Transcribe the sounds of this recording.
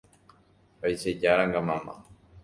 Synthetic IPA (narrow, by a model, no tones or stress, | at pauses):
pajʃed͡ʒaɾaŋɡamãmã̰